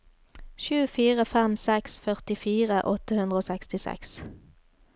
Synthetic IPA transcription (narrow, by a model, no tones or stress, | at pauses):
ʃʉːfiːʁəfɛmsɛksfœʁt̪ɪfiːʁəʔɔt̪əhʉnd̪ʁəoːsɛkst̪ɪsɛ̰ks